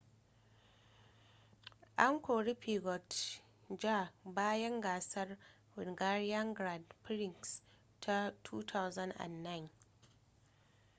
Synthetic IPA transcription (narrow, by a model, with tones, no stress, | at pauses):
ʔa˦ŋkʷoː˨ɽi˦pi˨ɡɔ˨t | d͡ʒa˦˨baː˦jɐ˦ŋɡaː˨sɐ˦r | wʊ˨nɡa˦ɾi˦ja˦ŋɡɾa˨dpɾɪ˨ŋks | tʰa˦tʰuː˦tʰa˦wza˦ndʔa̰˨nːa˦jn